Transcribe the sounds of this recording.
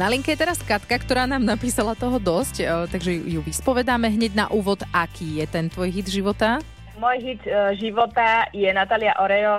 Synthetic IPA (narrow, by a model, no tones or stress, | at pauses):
naliŋkɛjɛt̪ɛɾaskat̪kakt̪ɔɾaːnaːmnapiːsalat̪ɔɦɔd̪ɔsct̪aɡʒɛjuʋispɔʋɛd̪aːmɛɦɲɛɟna̰ʔuːʋɔd̪ʔakʰiːjɛt̪ɛnt̪ʋɔjɦid̪ʒiʋɔt̪a | aɡmʊɔjɦid̪ʒiʋɔt̪ajɛnat̪aːliaʔɔɾɛjɔ